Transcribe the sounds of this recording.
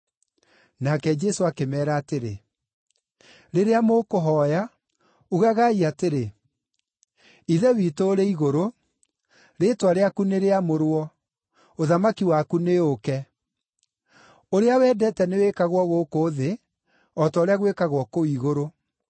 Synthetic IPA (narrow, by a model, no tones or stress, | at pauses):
nakɛd͡ʒɛsoakemɛːɾaːteɾḛ | ɾeɾeamokoɦɔja | uɣaɣaiateɾe | iðɛwitoːɾeiɣoɾo | ɾetwaɾeakuneɾeamoɾwɔ | oðamakiwakuneokɛ | oɾeawɛːdɛtɛnewekaɣwɔɣokoðe | ɔtaoɾeaɣwekaɣwɔkoiɣoɾo